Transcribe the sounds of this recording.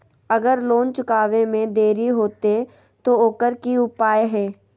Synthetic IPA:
ɐɡəɾloːnt͡ʃʊkaːʋemẽd̪eːɾiɦoːt̪e | t̪ooːkəɾkiʊpaːjɦɛː

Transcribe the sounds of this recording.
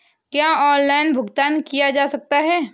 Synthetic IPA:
kjaːɔːnlaːɪnbʱʊɡt̪aːnkijad͡ʒaːsɐk̚t̪aɦɛː

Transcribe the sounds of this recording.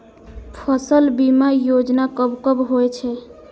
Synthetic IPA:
pʰəsəlbimajod͡ʒnakəbkəbɦojt͡ʃʰɛ

